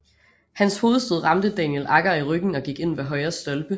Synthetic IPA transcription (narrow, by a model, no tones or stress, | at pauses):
hænsho̝ːð̞̩ˠsd̥oð̞̰ˠʁɑ̈md̥əd̥ænjelʔɑ̈ɡ̥ɐiʁœɡ̥n̩ɒ̽ɡ̥iɡ̥e̝n̰ʋeɦɒ̽ɪɐsd̥ɒ̽lb̥ə